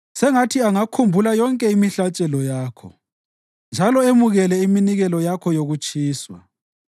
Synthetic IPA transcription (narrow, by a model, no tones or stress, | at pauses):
sɛŋatʰiaŋakʰumbʱulajɔŋkʼɛimiɬat͡ʃʼɛlɔjaːkʰɔ̰ | nd͡ʒʱalɔemuɣɛlɛiminiɣɛlɔjakʰɔjoɣut͡ʃʼiːswa̰